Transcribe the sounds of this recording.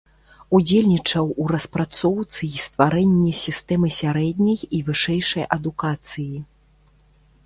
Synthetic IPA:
ud͡zʲelʲnʲit͡ʂɐwuɾɐspɾat̪sɔwt̪sɨst̪vaɾɛnʲːɛsʲist̪ɛmɨsʲaɾɛd̪ʲnʲɐjivɨʂɛjʂɐjʔɐd̪ukat̪sɨji

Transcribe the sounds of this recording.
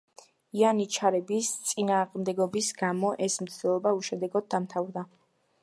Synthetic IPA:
ianit͡ʃʰaɾɛbist̪sʼinaːqʼmd̪ɛɡɔbisɡamɔʔɛsm̩t̪ʰd̪̥ɛlˠɔbauʃɛd̪ɛɡɔd̪̚ːamt̪ʰavɾd̪a

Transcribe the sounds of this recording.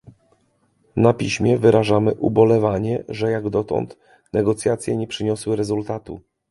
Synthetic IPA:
napʲiɕmʲjɛvɘɾaʐamɘʔubɔlɛvaɲɛʐɛjaɡd̪ɔt̪ɔ̰nt̪ | nɛɡɔt̪sʲjat̪sʲjɛɲɛpʂɘɲɔswɘɾɛzult̪at̪u

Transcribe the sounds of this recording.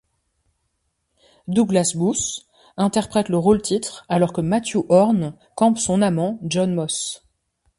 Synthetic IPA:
d̪uɡlasbus | ɛ̃t̪ɛʁpχɛt̪ləʁolt̪it̪χalɔʁkəmat̪jøʔɔʁn | kɑ̃psɔ̃namɑ̃ʒɔnmɔs

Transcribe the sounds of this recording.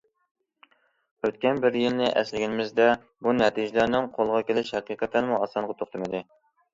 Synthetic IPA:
øt̪kʲɛnbɪɾjilnɪʔɛ̰slɪɡʲɪnɪmɪzd̪ɛ | bunɛt̪ʰid͡ʒɪlæɾnɪŋqʰolˠʁɑkʲelɪʃhæqiːqət̪ʰːɛnmuɑsɑɴʁɑt̪ʰoχt̪ʰɨmɨd̪ɪ

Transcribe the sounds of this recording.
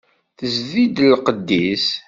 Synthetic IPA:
θəzðid̪lqəd̪ːis

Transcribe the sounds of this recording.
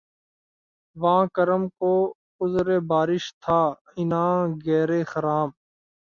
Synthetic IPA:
ʋãːkəɾəmkoː | ʊzɾeːbaːɾɪʃt̪ʰaː | ɪnãːɡɛːɾeːxəɾaːm

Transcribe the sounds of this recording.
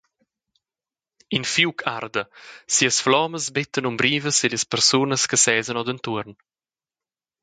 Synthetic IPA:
infjuːkʰard̪əsiːəsflɔːməsbɪt̪ːənumbɾiːvəselespəɾsunəskəsɛːzənɔd̪ənt̪uəɾn

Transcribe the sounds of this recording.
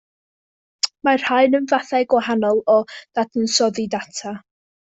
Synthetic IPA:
mar̥haɨnənvaθajɡwaɦanɔlˠɔð̥adənsɔðidatʰa

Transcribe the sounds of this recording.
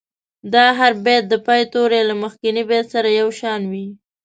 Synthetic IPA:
d̪ɑɦaɾbet̪̚d̪əpɑjt̪oɾelaməxkɪnibet̪saɾajawʃɑnwi

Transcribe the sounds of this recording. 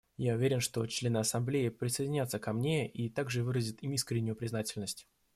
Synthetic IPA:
jaʊvʲeɾʲɪnʂt̪o̞t͡ɕlʲe̞nɨɐsɐmblʲeɪpɾʲɪsəjdʲɪnʲat̪səkɐmnʲe̞it̪aɡʐɨvɨɾəzʲɪt̪imiskɾʲɪnʲːʊjʊpɾʲɪznatʲɪlʲnəsʲtʲ

